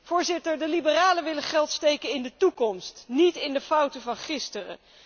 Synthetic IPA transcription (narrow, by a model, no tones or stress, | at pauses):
v̥ʊːɹzɪtəɹdəlibəraːləʋɪləχɛlˠtstejkənɪndətukɔmstnitɪndəfʌwtəvɑnχɪstərə̰